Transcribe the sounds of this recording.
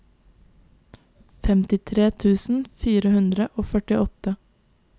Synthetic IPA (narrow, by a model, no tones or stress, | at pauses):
fɛmt̪ɪt̪ʰɾeːt̪ʰʉːsn̩fiːɾəhʉnd̪ɾəʔoːfœʈɪʔɔt̪ə